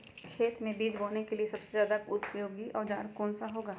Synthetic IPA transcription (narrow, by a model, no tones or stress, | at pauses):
kʰeːt̪mẽbiːd͡ʒboːnekeliesɐbsezjaːd̪akʊt̪pjoːɡiʔɔːɾd͡ʒa̰ːɾkɔːnsaɦoːɡaː